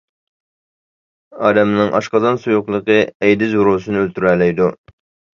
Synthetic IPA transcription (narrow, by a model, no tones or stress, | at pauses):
ɑːd̪ɛmnɨŋʔɑ̰ʃqɑzɑnsujuqlˠəqɨɛjd̪ɪzuɾoːsɨnɨølt̪yɾɛlɛjd̪u